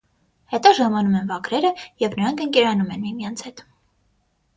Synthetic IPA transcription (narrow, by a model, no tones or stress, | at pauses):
hɛt̪ɑʒɑmɑnumɛnvɑkʰɾɛɾəjɛvʰnəɾɑŋkʰəŋkɛɾɑnumɛnmimjɑnt͡sʰhɛt̪